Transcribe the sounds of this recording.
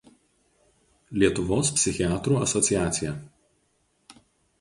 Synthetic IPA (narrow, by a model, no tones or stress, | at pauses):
lʲiɛt̪ʊʋoːspʲsʲɪxʲɪæːt̪ɾuːɐsɔt̪ʲɪjæːt̪sʲɪjɛˑ